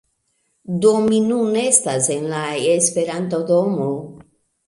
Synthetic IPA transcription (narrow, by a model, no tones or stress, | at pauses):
dominune̞stase̞nlaespe̞ɾantodo̞mo